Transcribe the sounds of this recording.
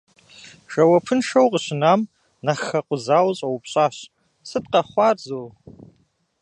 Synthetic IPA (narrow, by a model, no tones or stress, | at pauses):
ʃɐwɐpʰɨnʂowqʼəɕɪnam | naχɐqʷʼʊzawɕʼawpʰɕʷʼaɕ | sɨtʼqɐχʷarzol